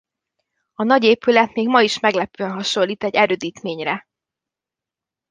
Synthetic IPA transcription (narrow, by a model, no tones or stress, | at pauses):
ɒnɒɟeːpylɛt̪meːɡmɒiʃmɛɡlɛpøɛnɦɒʃo̞lːiːt̪ɛɟːɛɾøːd̪iːt̪meːɲrɛ